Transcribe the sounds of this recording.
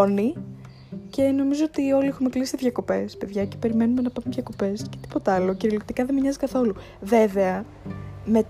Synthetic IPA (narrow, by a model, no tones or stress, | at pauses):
oni | ce̞no̞mizoot̪io̞liexunmeklisi̥iðʝɐko̞pe̞spe̞ðʝɐce̥pe̞ɾime̞numenɐpɐɾunðʝɐko̞pe̞sce̞̥t̪i̥po̞t̪ɐlo̞ciɾiolikt̪ikɐðemiɲɐzikɐθo̞lu | ve̞ve̞ɐ | me̞t̪